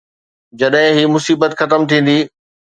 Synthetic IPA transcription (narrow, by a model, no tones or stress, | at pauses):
d͡ʑɐɗɦɪ̃ɦimʊsiːbət̪xɐt̪əmt̪ʰĩːn̆d̪iː